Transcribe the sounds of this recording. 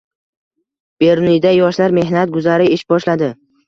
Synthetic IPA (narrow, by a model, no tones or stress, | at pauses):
b̥e̞ɾnid̪ajɒʃlaɾme̞ɦnat̪̚ɡʊzaɾɪɪʃbɒʃlad̪ɪ